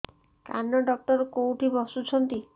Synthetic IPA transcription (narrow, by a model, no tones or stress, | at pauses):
kanːɔɖɔk̚ʈɔɾkowʈʰibʱɔsut͡ʃʰɔnt̪i